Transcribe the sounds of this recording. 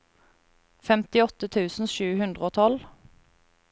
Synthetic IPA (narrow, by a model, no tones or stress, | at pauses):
fɛmt̪ɪɔt̪ət̪ʰʉːsn̩ʃʉːhʉnd̪ʁəoːt̪ʰɔl